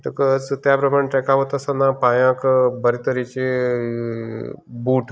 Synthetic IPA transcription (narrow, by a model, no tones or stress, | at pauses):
ʈ̪əkət͡st̪japɾəmaɳʈɾɛkaɦot̪əsanapãjãkbəɾit̪əɾit͡ɕe | buːʈ